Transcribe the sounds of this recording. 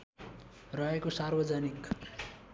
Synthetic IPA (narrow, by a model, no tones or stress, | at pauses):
rʌɦekosarbʌd͡zʌnik